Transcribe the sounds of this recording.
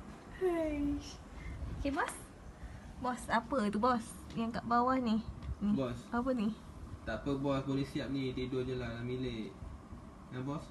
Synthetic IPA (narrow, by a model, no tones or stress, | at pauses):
ha | okebɔs | bɔsapət̪ubɔs | jaŋkaʔbawahnibɔsapəni | t̪apəbɔsbolisiap̚nididoɲəlahlamileʔ | jãŋbɔs